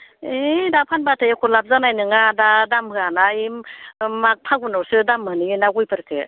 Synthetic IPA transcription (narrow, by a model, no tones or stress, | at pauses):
edapʰanbatʰajekʰolap̚zanajnɯŋadadamɯanaimmak̚pʰaɡunɔɾsɯdamːɯniɯnaɡujpʰɯɾkʰe